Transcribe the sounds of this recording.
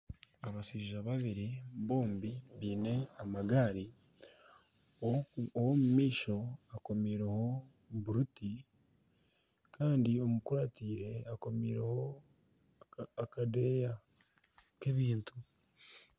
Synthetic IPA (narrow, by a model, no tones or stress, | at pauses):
aβasiʒaβaβiɾiβo̞ːmbiβiːne̞amaɡaːɾi | oowomumiːʃo̞ako̞miːɾeho̞ | buɾuti | kaːndio̞mukuɾatiːɾe̞ako̞miːɾeho̞ | akade̞ːja | ke̞βiːntu̥